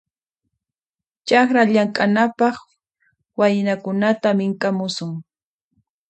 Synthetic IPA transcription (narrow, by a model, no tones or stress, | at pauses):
t͡ʃaxɾaʎaŋkʼanapɑχ | wajɪnakʊnat̪amɪŋkʼamʊsʊŋ